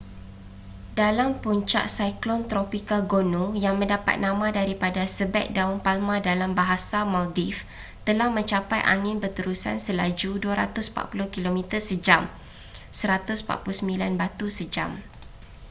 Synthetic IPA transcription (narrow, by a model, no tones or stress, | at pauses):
dalampuɲt͡ʃa̰ʔsajklɔnt̪ɾopikaɡonũjaŋmə̃ndapa̰t̪̚nãmãdaɾipadasəbɛ̰k̪̚daʊnpalmãdalambaɦasamaldif | t̪əlahmə̃ɲt͡ʃapajʔa̰ŋɪ̃nbərt̪əɾusa̰nsəlad͡ʒuduaɾa̰t̪ʊspa̰ʔ̚pulʊhkilomĩt̪ərsəd͡ʒam | səɾat̪ʊspa̰ʔ̚pulʊsəmbilanbat̪usəd͡ʒa̰m